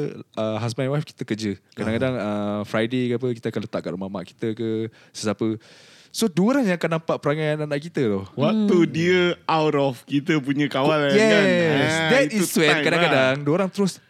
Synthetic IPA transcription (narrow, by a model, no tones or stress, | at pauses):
əɦas̬majwajfki̥t̪əkəd͡ʒəkadaŋkadaŋəfɾajdekəap̬əkit̪əakanlət̪aʔka̰ʔumama̰ʔki̥t̪əkə | səsapə | soduɾaŋjãŋakanːampaʔpəɾaŋajananaʔkit̪ət̪ɔhwak̚t̪udiəawɾɔfkit̪əp̬uɲə̃kawaljɛsd̪ɛtiswɛ̃nkadaŋkadaŋduoɾaŋt̪əɾʊs